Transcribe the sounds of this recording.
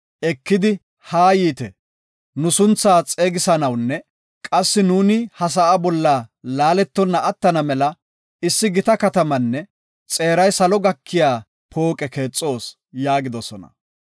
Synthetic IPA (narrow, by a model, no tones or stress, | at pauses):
ʔɛkːɪd̪ɪ | haːjiːt̪ɛ | nʊsʊnt͡sːaːt͡sʼeːɡɪsɐnɐwnːɛ | kʼɐsːɪnuːnɪhɐs̬ɐʔabɔlːaːlaːlɛt̪ːɔnːɐʔɐt̪ːɐnɐmɛlɐ | ɪsːɪɡɪt̪ɐkɐt̪ɐmɐnːɛ | t͡sʼe̞ːɾɐjsɐlɔɡɐkʰːɪjaː | pʰo̞ːkʼɛke̞ːt͡sʼːo̞ːs | jaːɡɪd̪ɔsɔnɐ̰